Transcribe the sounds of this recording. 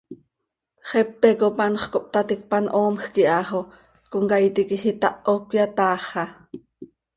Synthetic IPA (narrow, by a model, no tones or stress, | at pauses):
χɛpːɛkopanχkop̚t̪at̪ik̚panʔoːmxkiʔɑːχo | koŋkajt̪ikixit̪ɑʔokʷjat̪ɑːχɑ